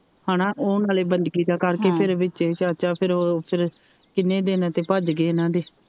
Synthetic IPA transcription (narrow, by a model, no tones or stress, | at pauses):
haːnãːʔoːnaːleːbənd̪ɡiːd̪aːkəɾkeːpʰɪɾʋɪt͡ʃːt͡ʃaːt͡ʃaːpʰɪɾoːpʰɪɾ | kɪnːẽːd̪eːnãːt̪eːpəd͡ʒɡeːnãːd̪eː